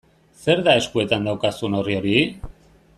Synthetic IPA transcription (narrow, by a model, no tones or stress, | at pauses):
se̞ɾðae̞skue̞t̪and̪awkasuno̞rio̞ɾi